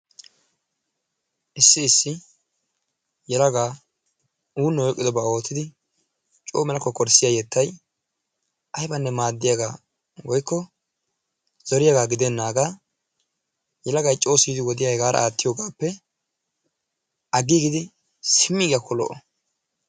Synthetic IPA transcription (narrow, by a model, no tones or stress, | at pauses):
ʔɪsːɪːsːɪ | jɛlɐɡaː | uːnːɔwɔkʼːɪd̪ɔbɐo̞ːt̪ːɪd̪ɪ | t͡ʃʼo̰ːmɛlɐkːɔkɔɾsɪjajɛt̪ːɐj | ʔɐjbɐnːɛmaːd̪ːɪjaɡaː | wɔjkːɔ | z̥ɔɾɪjaɡaːɡɪd̪ɛnːaːɡaː | jɛlɐɡɐjt͡ʃʼo̞ːsid̪ɪwɔd̪ɪjɐjɡaːɾɐ̰aːt̪ːɪjoːɡaːpːɛ | ʔɐɡiɡɪd̪ɪ | sɪmːɪɡɪjakʰːɔlɔ̰ʔɔ